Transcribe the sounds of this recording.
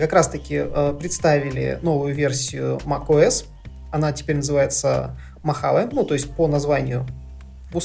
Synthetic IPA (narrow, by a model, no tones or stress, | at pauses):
kɐkɾast̪əkʲɪəpɾʲɪt̪st̪avʲɪlʲɪ̰no̞vʊjʊvʲe̞rsʲɪjʊmɐkoɛs | ɐnatʲɪ̥pʲeɾʲnəzɨvajɪt̪sə̰ | mɐxa̰lˠəmnut̪o̞ɪsʲtʲponɐzvanʲɪjʊ | bʊs